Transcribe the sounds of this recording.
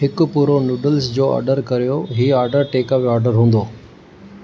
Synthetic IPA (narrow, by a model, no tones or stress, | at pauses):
ɦɪkʊ̆puːɾonuːɖəlsd͡ʑoːɐ̰ːɾɖəɾkɐɾijoɦiːaːɾɖəɾʈeːkəpaːɾɖəɾɦũːnd̪oː